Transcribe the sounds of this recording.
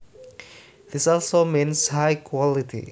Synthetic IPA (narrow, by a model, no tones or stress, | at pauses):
ð̥ɪsɔlsomĩnshajkʰwɔlitʰḭ